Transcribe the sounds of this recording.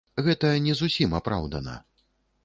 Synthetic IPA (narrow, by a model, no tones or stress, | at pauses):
ɣɛt̪ɐnʲɛzusʲimapɾa̰wd̪ɐnɐ̰